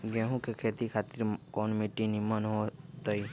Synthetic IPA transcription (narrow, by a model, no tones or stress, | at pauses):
ɡɛ̃ːɦũkekʰeːt̪ikʰaːt̪ɪɾkɔːnmeːʈinimənɦot̪əi